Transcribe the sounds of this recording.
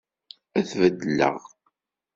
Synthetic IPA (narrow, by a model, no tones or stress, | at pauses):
æθvəd̪ːlə̰ʁ